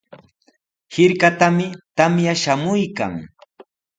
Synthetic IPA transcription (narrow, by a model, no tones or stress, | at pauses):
hɪɾkat̪amɪt̪amjaʃamʊjka̰ŋ